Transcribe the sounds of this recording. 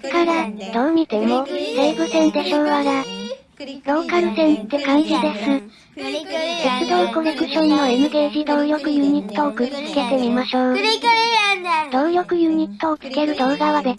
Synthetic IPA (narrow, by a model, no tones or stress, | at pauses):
kaɾad̪̥o̞ːɲ̟it̪e̞mo̞seibɯ̟sẽ̞nt̪e̞ɕoːβaɡa | ɾo̞ːkaɾɯ̟sẽ̞nt̪ːe̞kãɲ̟d͡ʑid̪e̞sɨ | set͡sɨd̪o̞ːkoɾokɯ̟ɕõnːo̞emɯ̟t̪e̞ːʑid̪õ̞ːjokɯ̟jɯɲ̟it̪ːo̞ːkɯt͡sɨ̥ke̞t̪e̞mʲimaɕo̞ː | d̪̥õ̞ːjo̞kɯ̟jɯ̟ɲ̟it̪ːo̞ːkɯ̥ke̞ɾɯ̟d̪o̞ːɡaβad̪e̞